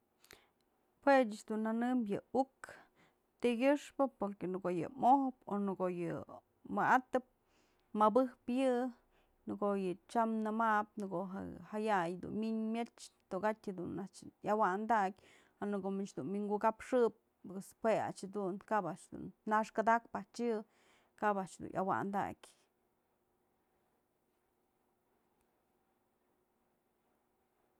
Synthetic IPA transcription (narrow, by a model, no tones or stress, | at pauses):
pwet͡ʃat͡ʃd̪unanɨmjɨuk | t̪iɡʲɨʂpɨpoɾkenɨɡoʔjɨ̰mohponɨɡojɨ̰ | mɨʔat̪ɨp̚ | mɨbɨhpjɨ | nɨkojɨt͡ʃamnɨmap̚nɨkoɦa̰hajajd̪ṵnmiɲmʲet͡ʃt̪oɡatʲhad̪unat͡ʃjawand̪akʲ | anɨkomit͡ʃd̪unmiŋɡukapʂɨp̚ | ɨspea̰t͡ʃhad̪unkabaʔt͡ʃd̪ṵnːaʂkad̪akpaht͡ʃɨ | kabaʔt͡ʃd̪ṵnʔa̰wa̰nd̪a̰kʲ